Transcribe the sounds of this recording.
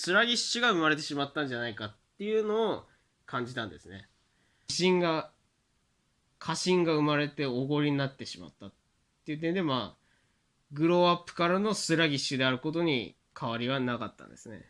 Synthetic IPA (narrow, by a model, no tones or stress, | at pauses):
sɨɾaɡʲiɕːɨɡaɯ̟maɾe̞t̪̬e̞ɕimat̪ːãɲ̟d͡ʑanaikat̪ːe̞jɯ̟no̞ː | kʰãɲ̟d͡ʑit̪ãnd̪e̞sɨne̞ | iɕĩŋɡa | kʰaɕĩŋɡaɯ̟maɾe̞t̪e̞oɡo̞ɾʲiɲinat̪ːe̞ɕima̰t̪ːat̪ː | e̞jɯ̟t̪̬ːend̪e̞maː | ɡɯ̟ɾo̞apːɯ̟̥kaɾano̞sɨɾaɡʲiɕːɨd̪e̞aɾɯ̟ko̞t̪o̞ɲ̟ḭ | kʰaβaɾʲiβanakat̪ːã̰nd̪e̞sɨne̞̰